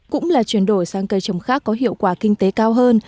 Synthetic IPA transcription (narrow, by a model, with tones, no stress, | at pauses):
kʊ̰˧˥ŋ͡mlaː˨˩t͡ɕwi˧˩ənɗo˧˩jsaː˧ŋkə˧˩jt͡ɕə˨˧˩wŋ͡mxaː˦˥kːɔ˨˦ɦḭ˧˨əwkwaː˧˩kï˧ŋ̟t̪e˨˦kaː˧wɦəː˧n